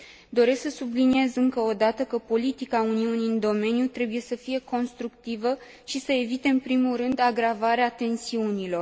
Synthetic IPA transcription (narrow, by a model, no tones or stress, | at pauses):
d̪o̞ɾe̞sksəsublinie̞zɨŋkəod̪at̪əkəpo̞lit̪ikauniuniɨnd̪o̞me̞njut̪ɾe̞buje̞səfije̞ko̞nst̪ɾukt̪ivə | ʃisəe̞vit̪e̞ɨnpɾimulɾɨnd̪aɡɾavaɾeat̪e̞nsiunilo̞r